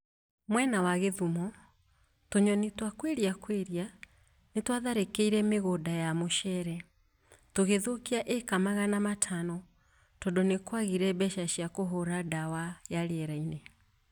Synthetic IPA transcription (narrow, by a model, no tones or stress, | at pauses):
mwɛnawaɣeðumɔ | toɲɔnitwakweɾiakweɾia | netwaðaɾekeiɾɛmeɣodajamoʃɛɾɛ | toɣeðokiaʔekamaɣanamatʰanɔ | tɔdɔnekwaɣiɾɛbɛʃaʃiakoɦoɾadawajaɾeɛɾaine